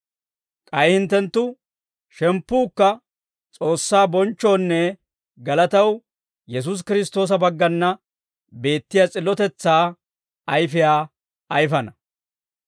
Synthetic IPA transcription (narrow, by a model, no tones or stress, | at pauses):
kʼɐjhɪnt̪ːɛnt̪ːʊ | ʃɛmpːuːkːɐ | t͡sʼo̞ːsːaːbɔnt͡ʃːo̞ːnːɛ | ɡɐlɐt̪ɐw | jɛs̬us̬kɪɾɪst̪o̞ːs̬ɐbɐɡːɐnːɐ | be̞ːt̪ːɪjat͡sʼɪlːɔt̪ɛt͡sːaː | ɐjfɪjaː | ɐjfɐnɐ